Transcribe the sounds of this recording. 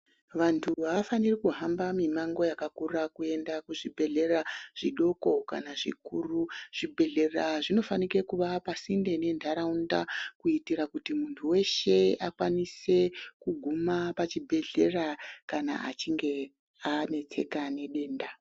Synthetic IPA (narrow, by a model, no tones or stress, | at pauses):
ʋantʰuʋaʋafanirikuɦambamimaŋɡo̞jakakurakue̞ndakuʐibʱe̞ɮe̞raʐ̥iɗo̞ko̞ka̰naʐḭkuːruʐ̥ibʱe̞ɮe̞raʐino̞fanike̞kuʋapasinde̞ne̞ndʱaɾaunda̰kuitirakutimuntʰuwe̞ʃe̞akwanise̞kuɡʱumapat͡ʃibʱe̞ɮe̞rakana̰a̰t͡ʃiŋɡe̞ | ane̞t͡se̞̰kane̞ɗe̞ːnda